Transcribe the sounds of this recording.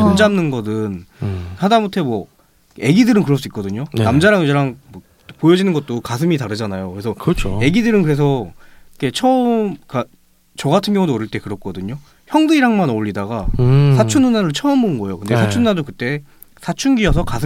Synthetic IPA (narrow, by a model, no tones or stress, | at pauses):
tomd͡ʑamnɯnɡʌdɯnhadamotʰemwʌ | e̞ɡidɯɾɯnkɯɾʌɭs̬͈uik͈ʌdɯɲonnamd͡ʑaɾaŋd͡ʑeɾaŋʌ | pojʌd͡ʑinɯnɡʌt̚t͈okasʰɯmitaɾɯd͡ʑanajokɯɾe̞sʰʌkɯʌt͡ɕʰoe̞ɡidɯɾɯnkɯɾe̞s̬ʰʌikʰe̞t͡ɕʰʌmka | t͡ɕʌɡatʰɯnɡjʌŋudoʌɾɯɭt͈e̞kɯɾʌk͈ʌdɯɲo | çjʌŋdɯiɾaŋmanoʎːidaɡasʰat͡ɕʰunhunaɾɯɭt͡ɕʰʌɯmoɯnɡʌejo̰kɯndesʰat͡ɕʰununadokɯt͈e̞ | sʰat͡ɕʰunɡiʌsʰʌkasʰ